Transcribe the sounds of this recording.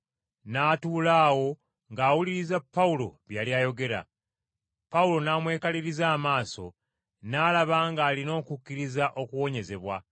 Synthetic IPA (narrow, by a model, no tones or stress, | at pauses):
naːtuːlaːwo̞ | ŋɡaːwuliɾizapːaulo̞̰βjaːljaːjo̞ɡe̞ɾa̰ | paulo̞naːmwe̞ːkaliɾizaːmaːso̞̰ | naːlaβaŋɡaːlino̞ːkukːiɾizaʔo̞kuwo̞ɲe̞ze̞βwa